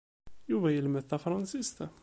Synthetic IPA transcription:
juvæjəlmæθːæfɾˤɑnsist̪a

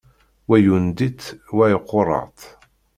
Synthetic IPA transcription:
wæjund̪iθwæiqːʊɾˤɑ̰ʁt̪

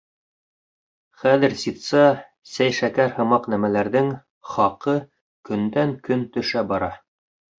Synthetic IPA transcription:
χæðɘ̆ɾsit̪sɑ | sæjʃækæɾhɤ̆mɑqnæmælæɾðɘŋ | χɑqɤ | kɵ̆nd̪æŋkɵnt̪ɵ̆ʃæbɑɾɑ

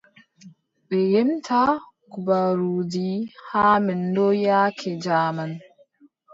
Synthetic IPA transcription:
bɛjɛmtʰa | kubaɾudihaːmɛndɔjaːkʰɛd͡ʒaːman

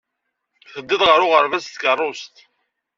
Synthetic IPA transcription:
θəd̪ːɪðʁəɾʊʁəɾvæst̪kərˤːost̪

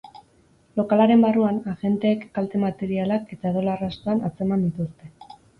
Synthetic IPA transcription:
lo̞kalaɾe̞mbaruanaɣe̞nt̪e̞ːkːalt̪e̞mat̪e̞ɾialake̞t̪aeðo̞larast̪oanat͡se̞mand̪it̪ust̪e̞

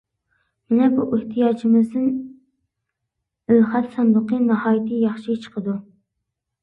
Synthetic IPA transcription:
mɪnɛbuʔɪht̪ʰijɑːd͡ʒimɪzd̪ɪn | ølχɛt̪sɑnd̪ɨqənɑhɑːjit̪ʰɪjɑχʃit͡ʃʰə̥qʰəd̪u

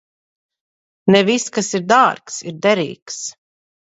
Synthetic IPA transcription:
nɛviskasiɾd̪aːɾksiɾd̪ɛɾḭːks

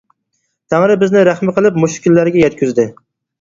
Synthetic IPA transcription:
t̪ʰæŋɾɪbɪznɪɾæχmɪqəlˠɪpmuʃkʲɪlːæɾɡʲɛjɛt̪̚kʲyzd̪ɪ

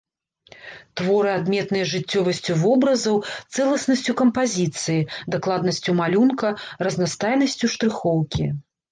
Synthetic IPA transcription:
t̪vɔɾɨad̪mʲɛt̪nɨjɐʐɨt͡sʲːɔvɐsʲt͡sʲuvɔbɾɐzɐwt̪sɛlˠɐsnɐsʲt͡sʲukɐmpazʲit̪sɨjid̪aklˠad̪nɐsʲt͡sʲumalʲunkɐrɐznast̪ajnɐsʲt͡sʲuʂt̪ɾɨxɔwkʲi

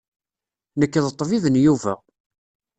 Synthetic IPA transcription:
nəkːəðət̪ˤːviðənjuvæ̰

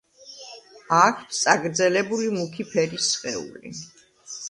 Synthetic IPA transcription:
akʰt̪t̪sʼaɡɾd̪zɛlɛbulimukʰipʰɛɾisχɛṵlḭ

